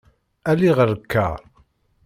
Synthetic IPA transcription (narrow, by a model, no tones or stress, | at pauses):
æliʁəɾəkʰːə̰ɾˤ